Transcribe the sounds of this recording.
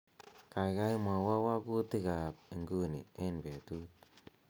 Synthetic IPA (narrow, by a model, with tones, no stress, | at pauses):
ka˨ka˦jma˨wa˦wa˦ku˦tɪ˦ka˨p̚ɪ˨ŋɡu˦nḭ˨e˦nbe˨tu˦t̚